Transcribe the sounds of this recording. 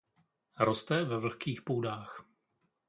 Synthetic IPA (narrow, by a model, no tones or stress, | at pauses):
ɾost̪ɛvɛvl̩xkiːxpuːdaːx